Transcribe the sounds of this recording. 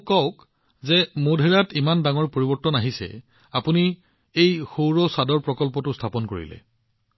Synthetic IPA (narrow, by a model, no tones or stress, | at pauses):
kɔʊk | zɛmodʱeɹatimandaŋɔɹpoɹibɔɹtɔnaɦisɛ̰ | apuni | ejxowɹɔsadɔɹpɹɔkɔlpɔtʊstʰapɔnko̰ɹḭlɛ̰